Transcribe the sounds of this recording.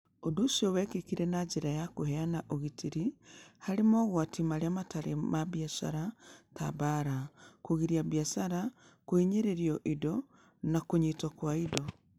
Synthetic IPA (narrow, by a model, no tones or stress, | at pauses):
odosiɔwɛkekiɾɛnad͡ʒeɾajakoɦɛanaʔoɣitiɾihaɾemɔɣwatʰimaɾeamataɾemaβiasa̰ɾataβaɾakoɣiɾiaβijasaɾa | koiɲeɾeɾiɔʔidɔ | nakoɲitɔkwaidɔ